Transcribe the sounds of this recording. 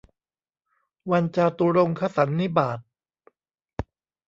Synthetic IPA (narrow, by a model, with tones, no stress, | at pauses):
wa˧nt͡ɕaː˧t̪u˧ɾo˧ŋkʰa˧sa˩˦nːi˦˥baː˨˩t̪̚